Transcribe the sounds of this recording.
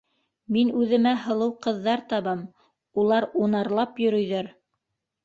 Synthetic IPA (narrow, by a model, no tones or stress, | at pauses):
minʉðɘ̆mæɦɤ̆lˠɤwqɤ̆ðːɑɾt̪ɑβɤm | ulˠɑɾunɑɾlˠɑpjɵ̆ɾɵ̆jðæɾ